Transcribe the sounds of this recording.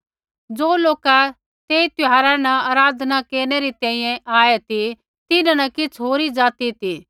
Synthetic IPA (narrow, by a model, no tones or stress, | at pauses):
d͡zoːloːka | t̪eːit̪ʊɦaːɾanɐaːɾaːd̪ʱnakeːɾneɾit̪ɛ̃ːĩjɛ̃ʔaːet̪i | t̪ɪnãnɐkɪt͡sʰɦoːɾid͡ʒaːt̪it̪iː